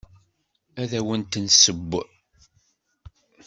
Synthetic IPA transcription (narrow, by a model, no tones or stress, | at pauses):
æðæwənt̪ənsəbː